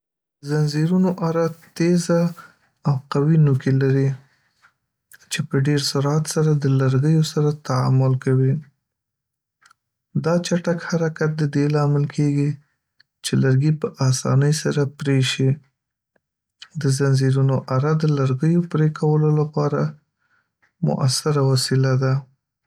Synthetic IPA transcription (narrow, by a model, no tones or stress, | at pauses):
zanziɾunoʔaɾat̪ezaː | wqawinukilaɾi | t͡ʃepəɖeɾsʊɾɑt̪saɾad̪əlaɾɡəjosaɾat̪aa̰mʊlkawi | d̪ɑt͡ʃaʈakhaɾakat̪̚d̪əd̪elɑmɪlkʰeɡi | t͡ʃelaɾɡipəʔɑsɑ̰nəjsaɾapɾeʃi | d̪əzanziɾunoʔaɾad̪əlaɾɡəjopɾekʰawəlolapɑɾa | mʊ̰ʔasɪɾawasilad̪a